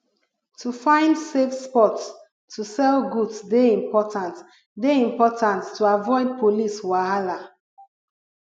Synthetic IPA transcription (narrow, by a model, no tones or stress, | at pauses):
tʰufãɪ̃ndsefspɔtsʰ | usɛlɡudsdeĩmpɔtãnt | deĩmpɔtʰãntːuavɔɪd̚pʰoliswahala